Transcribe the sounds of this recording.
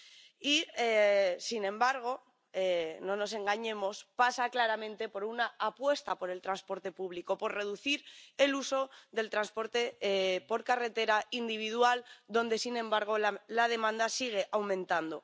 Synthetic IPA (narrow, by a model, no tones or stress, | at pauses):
iesinẽ̞mbaɾɣ̞o̞ | enõ̞no̞s̬e̞ŋɡaɲẽ̞mo̞spasaklaɾamẽ̞nt̪e̞po̞ɾunaːpwe̞st̪apo̞ɾe̞lt̪ɾanspo̞ɾt̪e̞puβ̞likopo̞ɾre̞ðuθiɾe̞luso̞ðe̞lt̪ɾanspo̞ɾt̪epo̞ɾkare̞t̪e̞ɾaind̪iβ̞ið̞wald̪o̞nd̪e̞sinẽ̞mbaɾɣ̞o̞lað̞e̞mãnd̪asiɣ̞e̞ʔawmẽnt̪and̪o̞